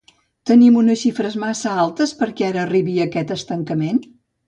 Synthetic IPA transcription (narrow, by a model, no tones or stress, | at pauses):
t̪ənimunəsʃifɾəzmasəalˠt̪əspəɾkɛaɾəːriβiəːkɛt̪əst̪əŋkəmen